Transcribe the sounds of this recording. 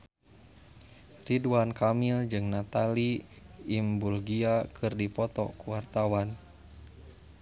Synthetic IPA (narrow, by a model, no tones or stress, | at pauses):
riduankamild͡ʒɨŋnat̪aliː | mbulɡiakʰɨrdipɔt̪ɔ̰kuwart̪awan